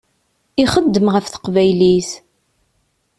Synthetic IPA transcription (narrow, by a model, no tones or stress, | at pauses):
iχəd̪ːəmʁəfθə̥qvæjliθ